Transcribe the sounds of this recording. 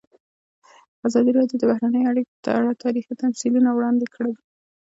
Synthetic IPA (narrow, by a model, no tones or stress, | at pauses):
azɑd̪iɾɑd̪jod̪əbahɾanəjoaɽikop̪ə̰aɽat̪ɑɾixit̪amsilunawɽɑnd̪ekəɽewi